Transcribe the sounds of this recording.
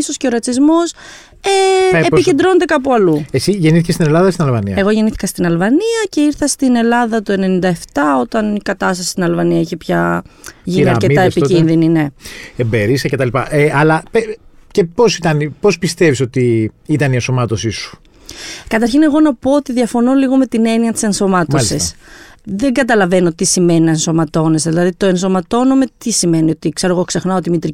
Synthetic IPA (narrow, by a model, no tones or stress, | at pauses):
iso̞sceo̞ɾɐt͡sizmo̞s | eːice̞nd̪ɾo̞ned̪̬ekɐp̬uɐluesiʝe̞niθicest̪ine̞lɐðɐsinɐlvɐniɐe̞ɣo̞ʝe̞niθi̥kɐst̪inɐlvɐniɐce̞iɾθɐst̪ine̞lɐðɐt̪oe̞ne̞nind̪ɐeft̪ɐo̞t̪ɐnikɐt̪ɐst̪ɐsi̥st̪inɐlvɐniɐiçepçɐʝiniɐɾcet̪ɐespicinðinine̞embeɾisɐce̞t̪ɐlipɐʔeɐlɐpe | cepo̞sit̪ɐnipo̞spist̪e̞viso̞t̪iit̪ɐnienso̞mɐt̪o̞sisu̥ | kɐt̪̬ɐɾçine̞ɣo̞nɐpo̞ot̪iðiɐfo̞noliɣo̞me̞t̪ine̞niɐt̪i̥se̞nso̞mɐtmosissðe̞ŋɡɐt̪ɐlɐve̞no̞t̪isime̞ninɐenso̞mɐt̪o̞ne̞zðilɐðit̪o̞e̞nso̞mɐt̪o̞no̞met̪isime̞nio̞t̪ikse̞ɾoɣo̞kse̞xnɐo̞t̪imit̪ɾi